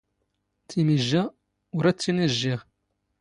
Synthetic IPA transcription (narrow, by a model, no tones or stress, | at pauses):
t͡sːimiʒːæ | ʊɾæt͡sːinəʒːiʁ